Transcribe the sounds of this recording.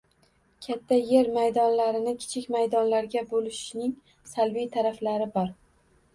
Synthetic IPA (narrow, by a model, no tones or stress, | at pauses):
kʲʰat̪ʰːaje̞ɾmajd̪ɒnlaɾɪnɪkʲʰɪ̥t͡ʃʰɪkʲmajd̪ɒnlaɾɡʲabolɪʃnɪŋ | salbijt̪ʰaɾaflaɾɪbɒɾ